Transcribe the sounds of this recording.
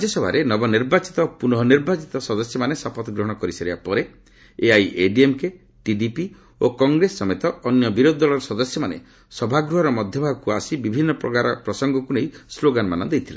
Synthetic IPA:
ad͡ʒɔsɔbʱaɾenɔbɔniɾbat͡ʃit̪ɔpunɔɦɔniɾbat͡ʃit̪ɔsɔd̪ɔsjɔmanesapɔt̪ɔɡɾɔɦɔɽ̃ɔkɔɾiseɾibapɔɾe | eajʔeɖiemke | ʈiɖipi | okɔŋɡɾesːɔmet̪ɔːnjɔbiɾod̪ɔd̪ɔlɔɾɔsɔd̪ɔsjɔmanḛ | sɔbʱaɡɾuɦɔɾɔmɔd̪ʱjɔbʱabɔkuasibibʱinːɔpɾɔ̰kaɾɔpɾɔsɔŋɡɔkunejsloɡanmanɔd̪ejt̪ʰila̰

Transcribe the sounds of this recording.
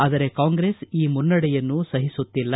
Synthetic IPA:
aːd̪ɐɾekaːŋɡɾeːsiːmunːɐɽɛjɐnːusɐɦisut̪ːilːɐ

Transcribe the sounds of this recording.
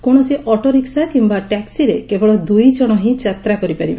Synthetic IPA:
koɽ̃ɔsiʔʔɔʈɔɾiksakimbaʈɛksiɾekebɔɭɔd̪ujd͡ʒɔɽ̃ɔɦĩd͡ʒat̪ɾakɔɾipaɾiba

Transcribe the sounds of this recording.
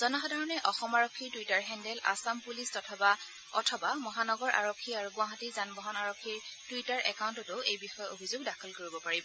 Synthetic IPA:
z̥ɔnɔxɔdʱaɹɔnɛʔɔxɔmaɹokʰːiɹtujtaɹɦɛndɛla̰sampulistɔtʰɔba | ɔ̰tʰɔbamɔɦanɔɡɔɹʔa̰ɹokʰːiaɹuɡʊ̃waɦatizanbɔɦɔnaɹokʰːiɹd̥ujtaɹʔɛkawntɔtʊejbixɔjɔobʱizʊɡdakʰɔlkoɹibɔpaɹibɔ

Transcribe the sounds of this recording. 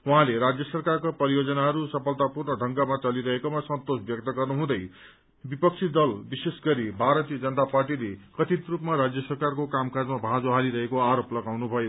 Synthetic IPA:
uɦãleɾad͡zjʌsʌrkarkapʌɾijod͡zʌnaɦʌɾusʌpʰʌlt̪apurnʌɖʱʌŋɡamat͡sʌliɾʌɦekomasʌnt̪osbjʌk̚t̪ʌɡʌrnuɦũd̪ʌj | bipʌk̚t͡sʰid̪ʌlbisesɡʌɾibʱaɾʌt̪ijʌd͡zʌnʌt̪aparʈilekʌt̪it̪rupmaɾad͡zjʌsʌrkarkokamkad͡zmabʱãd͡zoɦaliɾʌɦekoaɾoplʌɡawnubʱʌjo

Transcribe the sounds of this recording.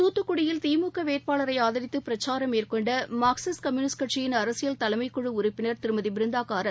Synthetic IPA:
t̪uːt̪ːɯkːʊɽɪjɪlt̪iːmuːkːɐʋeːʈ̚paːlɐɾɐɪaːðɐɾɪt̪ːɯpɪɾɐt͡ʃːaːɾɐmeːrkɔɳɖɐmaːksɐskɐmjuːnɪskɐʈʂɪjɪnɐɾɐsɪjɐlt̪ɐlɐɪmɐɪkːɔɻɯʊɾʊpːɪnɐɾt̪ɪɾɯmɐðibɪɾɯnd̪aːkaːɾɐl

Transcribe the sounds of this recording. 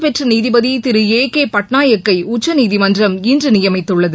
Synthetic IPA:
pɛʈrɐniːðɪbɐðit̪ɪɾɯeːkeːpɐʈɳaːjɐkːɐɪʊt͡ʃːɐniːðɪmɐndrɐmindrɯnɪjɐmɐɪt̪ːɯɭːɐðɯ

